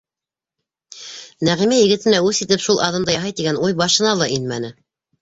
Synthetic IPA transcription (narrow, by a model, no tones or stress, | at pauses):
næʁimæjɘ̆ɡɘ̆t̪ɘ̆næʉsit̪ɘpʃulˠʔɑðɤ̆md̪ɑjɑɦɑjt̪iɡænujbɑʃɤ̆nɑlˠɑʔinmænɘ